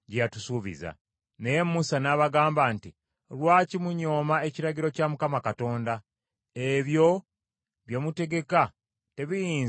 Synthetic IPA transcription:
ɟejatusuːβḭza̰ | ne̞je̞mːusanaβaɡaːmbanti | lwaːcimuɲo̞ːmae̞ciɾaɟiɾo̞camukamakato̞ːnda | eβjo̞ | βjomute̞ɡe̞ka | te̞βijiːn

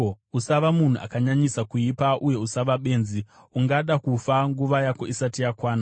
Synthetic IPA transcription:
usaʋamun̤uʔa̰kaɲaɲisakuipaʔuje̞usaʋaɓe̞ːnzi | uŋɡaɗakufaŋɡuʋajako̞isatijakwaːna

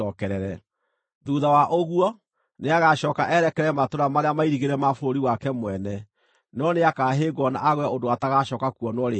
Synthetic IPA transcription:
ɔkɛɾɛɾɛ | ðuðawaʔoɣuɔ | neaɣaɕɔːkaʔɛɾɛkɛɾɛmatoɾamaɾeamaiɾiɣeɾɛmafoɾoɾiwakɛmwɛnɛ | nɔneakaɦeːɡwɔna̰ʔaɣwɛodoataɣaɕɔkakuɔnwɔɾe

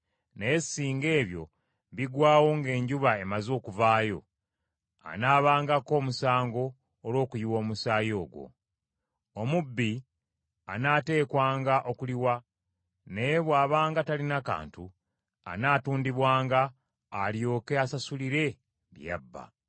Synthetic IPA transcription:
nejsiːŋɡe̞ːβjo̞̰ | βiɡwaːwo̞ŋɡe̞ːɲɟuβae̞mazo̞ːkuvaːjo̞̰ | a̰naːβaːŋɡako̞ːmusaːŋɡo̞ː | lo̞ːkujiwo̞ːmusaːjo̞ːɡwo̞̰ | omubːi | a̰nate̞ːkwaːŋɡaʔo̞kuliwa | ne̞jeβwaːβaːŋɡatalinaka̰ːntu | a̰naːtuːndiβwaːŋɡaː | ljo̞ːke̞asasuliɾe̞ | ɾija̰bːa̰

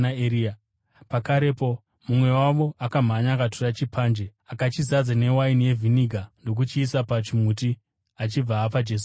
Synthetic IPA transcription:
aeɾia | pakaɾe̞po̞ | mumwe̞waʋo̞ʔakam̤aɲakatorat͡ʃipʰaːnd͡ʒe̞akat͡ʃizad͡zane̞wainije̞vʱiniɡʱando̞k̬ut͡ʃiːsapat͡ʃimuti | at͡ʃib͡vaːpad͡ʒe̞ːs̬u

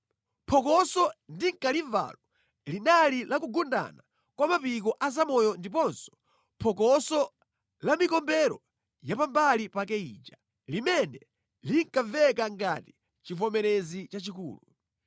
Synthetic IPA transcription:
pʰɔkɔsɔndiŋkaliva̰lɔ | linalilakuɡunda̰na | kwamapikɔʔazamɔjɔndip̬ɔnsɔ̥ | pʰɔkɔsɔ | lamikɔmbɛɾɔ | japambalipakɛḭːt͡ʃa | limɛnɛ | liŋkavɛkaŋɡati̥ | t͡ʃifɔmɛɾɛzit͡ʃat͡ʃikṵːlu

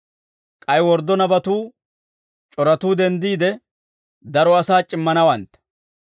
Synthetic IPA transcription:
kʼɐjwɔɾd̪ɔnɐbɐt̪uː | t͡ʃʼɔɾɐt̪uːd̪ɛnd̪iːd̪ɛ | d̪ɐɾɔɐsaːt͡ʃʼɪmːɐnɐwɐnt̪

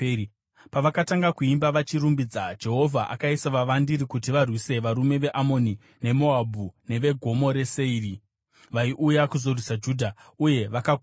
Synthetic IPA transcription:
paʋakataŋɡakuimbaʋat͡ʃirumbid͡zad͡ʒe̞ɦo̞vʱaʔa̰kaisaʋaʋandiɾikutiʋarwise̞ʋaɾume̞ʋe̞ʔamo̞ni | ne̞mo̞abʱune̞ʋe̞ɡʱo̞mo̞ɾe̞seiri | ʋaiʔujakuzo̞rwisad͡ʒuːdʱauje̞ʋaka

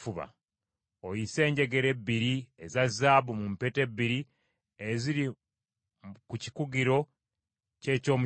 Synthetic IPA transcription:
fuβa̰ | ojise̞ːɲɟe̞ɡe̞ɾe̞bːiɾiezazːaːbumumpete̞bːiɾi | eziɾi | kuci̥kuɡiɾo̞ | ce̞ːco̞ːmu

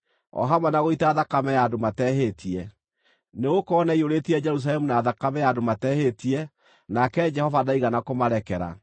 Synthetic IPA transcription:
ɔ̰ɦamanaɣoitaːðakamɛjadomatɛɦetʰiɛ | neɣokɔːnaioɾetiɛd͡ʒɛɾus̬alɛmunaːðakamɛjadomatɛhetiɛ | nakɛd͡ʒɛhɔvadaiɣanakomaɾɛkɛɾa̰

